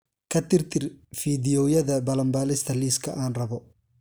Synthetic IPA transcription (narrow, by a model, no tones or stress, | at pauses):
kʰɐt̪ɪrt̪ʰɪrfiːdɪjɔːjɐðɐbɐlɐmbaːlɪst̪ʰɐliːskʰɐʔaːnrɐβɔ